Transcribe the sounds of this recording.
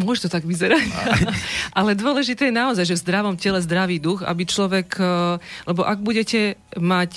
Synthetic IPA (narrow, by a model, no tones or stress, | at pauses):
mʊɔʃt̪ɔt̪aɡʋizɛɾac | ʔalɛd̪ʊɔlɛʒit̪ɛːjɛnaɔzajʒɛvzd̪ɾaʋɔmcɛlɛzd̪ɾaʋiːd̪uɣa̰bit͡ʃlɔʋɛk | lɛbɔʔaɡ̚buɟɛcɛmac